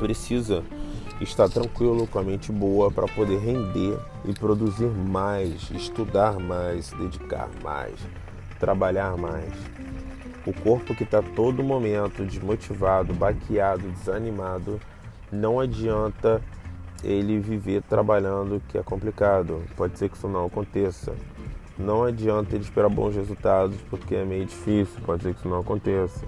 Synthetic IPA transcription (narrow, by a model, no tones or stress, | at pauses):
pɾesizɐ | ɪʃt̪aɾt̪ɾɐ̃ŋkwilʊkõɐmẽt͡ʃɪbowɐpɾʔɐ̰pod̪eɦẽnd̪e | ɪpɾod̪uziɾmajsɪ̰ʃt̪ud̪aɾmajssd̪ed͡ʒika̰ɾma̰js | t̪ɾabaʎaɾmajs | ʊkoɾpʊkɪt̪at̪od̪ʊmomẽnt̪ʊd͡ʒɪmot͡ʃivad̪ʊbakʰiad̪ʊd͡ʒɪzanimad̪ʊ | nɐ̃w̃ad͡ʒiɐ̃nt̪ɐ | elɪvivet̪ɾabaʎɐ̃d̪ʊkɪɛ̰kõmplikad̪ʊpɔd͡ʒɪseɾkɪi̥sʊnɐ̃w̃akõnt̪esɐ̰ | nɐ̃w̃ad͡ʒiɐ̃nt̪ɐelɪʃpeɾabõ̰w̃s̬hezuwt̪ad̪ʊspoɾkeɛmejʊd͡ʒifisiwpɔd͡ʒɪseɾki̥sʊnɐ̃w̃akõnt̪esɐ̥